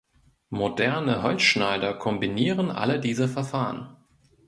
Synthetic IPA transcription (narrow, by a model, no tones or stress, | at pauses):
modɛɐnəɦɔlt͡sʃnaɪdɐkʰɔmbiniːʁənʔa̰lədiːzəfɛɐfaːʁə̰n